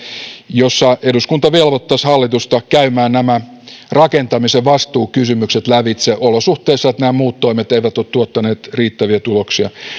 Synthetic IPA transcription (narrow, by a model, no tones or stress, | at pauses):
josːɑeduskunt̪ɑʋelʋot̪ːɑshɑlːit̪ust̪ɑkæymæːnnæmæ | rɑkent̪ɑmiseʋɑst̪uːkysymykset̪læʋit̪seʔolosuht̪eˑisːɑet̪næːmuːt̪t̪oimet̪eiʋæt̪oːt̪t̪uot̪ːɑneːt̪riːt̪ːæʋiæt̪uloksiɑ